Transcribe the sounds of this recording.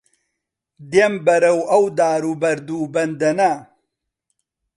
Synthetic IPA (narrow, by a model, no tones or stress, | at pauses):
d̪embɐɾɐwʔɐwd̪aːɾubɐɾd̪uːbɐnd̪ɐnɐ